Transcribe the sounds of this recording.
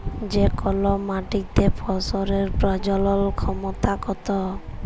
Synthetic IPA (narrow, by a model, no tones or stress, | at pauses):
d͡ʒekɔlɔmaʈik̚t̪epʰɔsɔɾeɾpɾɔd͡ʒɔlɔlkʰɔmɔt̪akɔt̪ɔ